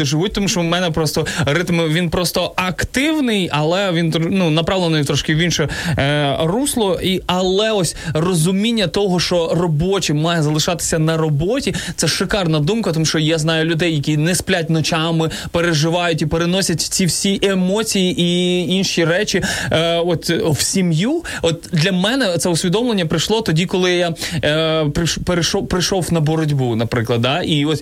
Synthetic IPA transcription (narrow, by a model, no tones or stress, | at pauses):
ɪʒɪʋut̚ʲt̪ɔmuʃt͡ʃɔmɛnɛpɾɔst̪ɔɾɪt̪mʋʲinpɾɔst̪ɔɐkt̪ɪwnɪjɐlˠɛʋʲint̪nunɐpɾɑʋlˠenɔjt̪ɾɔʃkɪʋʲinʃɔ | ruslˠɔiɐlˠɛɔsʲrɔzʊmʲinʲːɐt̪ɔɦɔʃt͡ʃɔrɔbɔt͡ʃimɑjɐzɐlˠɪʃɑt̪ɪ̥sʲɐnɐɾɔbɔtʲit̪sɛʃɪkɑrnɐd̪umkɐt̪ɔmuʃt͡ʃɔjaznɑjʊlʲʊd̪ɛjːɐkʲinɛsplʲatʲnɔt͡ʃɑmɪ | peɾeʒɪʋɑjʊtʲipeɾenɔsʲɐtʲw̥t͡sʲiwsʲiʔemɔt͡sʲijiʔiinʃiɾɛt͡ʃiɔt̪ʲwsʲimjuɔt̪d̪lʲɐmɛnɛt̪sɛʊsʲʋʲid̪ɔmlˠenʲːɐpɾɪjʃlˠɔt̪ɔdʲikɔlˠɪja | pɾɪʃpeɾɪʃɔpɾɪjʃɔwnɐbɔɾɔdʲbunɐpɾɪklˠɐd̪̚d̪ɑʔiɔsʲ